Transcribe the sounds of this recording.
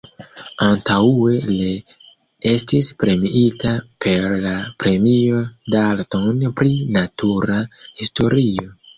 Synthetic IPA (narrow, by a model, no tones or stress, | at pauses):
antaue̞li | e̞stispɾe̞miʔitapʰe̞ɾlapɾe̞mio̞daltonpɾinatuɾahisto̞ɾio̞